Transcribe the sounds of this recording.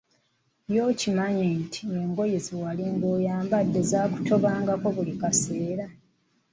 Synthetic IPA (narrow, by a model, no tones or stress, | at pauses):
jo̞ːcimaɲentʰi̥eŋɡo̞jeziwaliŋɡoːjaːmbadːe̞zaːku̥to̞βaːŋɡako̞βulikase̞ːɾa